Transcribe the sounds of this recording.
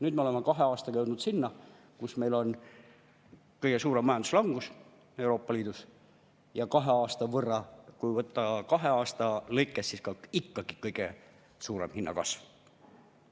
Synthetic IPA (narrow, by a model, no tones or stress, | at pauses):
nyːd̪meolemːɑkɑɦe̞ɑːst̪ɑkɑjewd̪nud̪̥sinːɑ | kusme̞jlo̞n | kɤjɡesuːɾemːɑjɑnd̪u̥slɑŋɡ̥us | e̞wɾo̞ːpːˑɑliːd̪̥us | jɑkɑɦe̞ɑːst̪ɑvɤrːɑkujvɤt̪ːˑɑkɑɦe̞ɑːst̪ɑlɤjkːˑesːiskɑikːɑɡ̥ikɤjɡ̥e | suːɾḛmhinːɑ̰kɑ̰sv